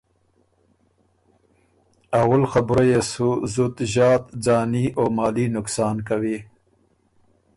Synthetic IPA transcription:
awəlxabɾajesuzut̪ʑɑːt̪d͡zɑːnioːmɑːlinʊksɑːnkawi

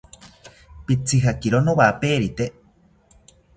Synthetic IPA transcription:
pit͡sʰiɦakiɾonoβapeːɾit̪e

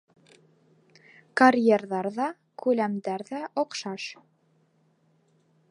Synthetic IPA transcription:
kɐrʲjerðɑɾðɑ | kʉlæmd̪æɾðæʔɔqʃɑʃ

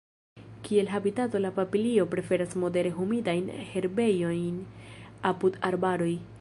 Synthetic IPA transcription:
kʰie̞lɦabitato̞lapapilio̞pɾe̞fe̞ɾasmo̞de̞ɾe̞ɦumidajnhe̞ɾbe̞jo̞jnapudaɾbaɾo̞j

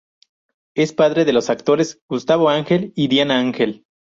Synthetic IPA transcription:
e̞spaðɾe̞ðe̞lo̞sak̚t̪o̞ɾe̞zɡ̥ust̪aβo̞aŋxe̞liðjanaaŋxe̞l

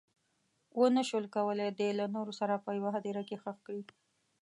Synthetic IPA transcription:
wʔənaʃwəlkawəled̪elanoɾosaɾapəjawaɦad̪eɾakexəxkɽi

